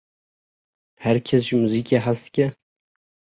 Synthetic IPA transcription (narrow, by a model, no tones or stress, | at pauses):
hɛɾkʰɛs̬ʒɨmuziːkeɦast̪ɨ̥kʲɛ